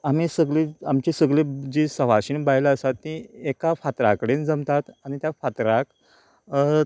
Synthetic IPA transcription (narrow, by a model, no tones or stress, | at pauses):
am̤isəɡɭiamt͡ɕesəɡɭed͡ʑisəʋ̤aɕiːnbajlaəsat̪ːĩekafat̪ɾa̰kəɽend͡zəmt̪at̪añit̪jafat̪ɾak